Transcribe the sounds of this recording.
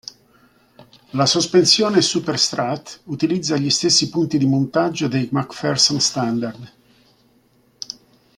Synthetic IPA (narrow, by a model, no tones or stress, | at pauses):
lasospensjɔːnesuperst̪ɾat̪ut̪ilid̪zːaʎist̪esːipunt̪id̪imont̪ad͡ʒːod̪ejmakfɛrsonst̪and̪ard̪